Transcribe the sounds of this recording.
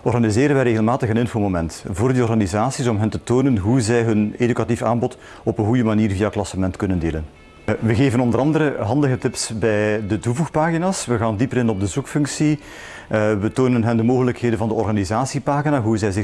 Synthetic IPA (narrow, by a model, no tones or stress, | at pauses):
ɔrɣanizeːɾənʋɛjɾeːɣəlˠmaːtəxənɪnfomomɛntvoːrdiɔrɣanizaːsis̬ɔmɦɛntətoːnənɦuzɛjɦɵnedykatifaːmbɔt | ɔpənɣujəmaniːrviːjaklɑsəmɛntkɵnəndeːlən | ʋəɣeːvənɔndəɾɑndəɾəɦɑndəɣətɪpsbɛjdətuvuxpaːɣinaːsʋəɣaːndipəɾɪnɔb̚dəzukfɵŋksi | ʋətoːnənɦɛndəmoːɣələkɦeːdənvɑndəɔrɣanizaːsipaːɣinaːɦuzɛjzɪ